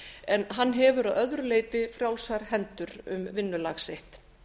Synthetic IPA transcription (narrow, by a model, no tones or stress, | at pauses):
ɛnɦanːɦɛvʏɾaðœðɾʏleːjt̪ɪfɾjawlsaɾ̥ɦɛnt̪ʏɾʏ̰mvɪnːʏlaxseht̪